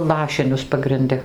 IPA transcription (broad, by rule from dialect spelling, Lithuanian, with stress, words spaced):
ˈlˠɑːʃʲɪnʲʊs pɐɡrʲɪnʲˈdʲɪ